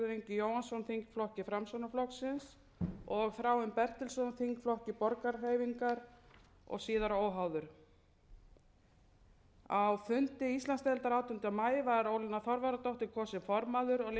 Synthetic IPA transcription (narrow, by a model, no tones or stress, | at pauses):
ʏɾejɲcɪjoːwhansɔwnθiŋkflɔhcɪfɾamsownaflɔksɪns | ɔɣθɾaːwʏmpɛr̥t̪ɛlsɔwnθiŋkflɔhcɪpɔɾkaɾreːjviŋkaɾ | ɔ̰ɣsiːðaɾoːwɦawðʏɾ̥ | awfʏnt̪ɪist̪lanst̪ɛlt̪aɾaːwt̪ʏnt̪amaːjvaɾowlɪnaθɔɾvaɾat̪owht̪ɪɾkʰɔːsɪnfɔɾmaðʏɾɔɣl